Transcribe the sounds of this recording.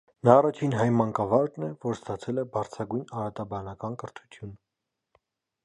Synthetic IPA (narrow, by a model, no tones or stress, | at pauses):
nɑːrɑt͡ʃʰinɦɑj̪mɑŋkɑvɑɾnɛvɔɾst̪ɑt͡sʰɛlɛbɑɾt͡sʰɑɡujnɑɾɑt̪ɑbɑnɑkɑnkəɾt̪ʰut̪ʰjun